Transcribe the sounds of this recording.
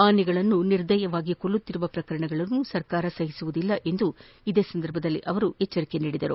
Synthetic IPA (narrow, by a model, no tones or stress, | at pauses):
aːnːiɡɐɭɐnːuniɾd̪ɐjɐʋaːɡiko̞ɭːut̪ːiɾuʋɐpɾɐkɐɾɐɳɐɡɐɭɐnːusɐɾkaːɾɐsɐɦisuʋud̪ilːɐʔe̞nd̪u | id̪e̞ːsɐnd̪ɐɾbʱɐd̪ɐlːiʔɐʋɐɾuɛt͡ʃːɐɾike̞niːɽid̪ɐɾu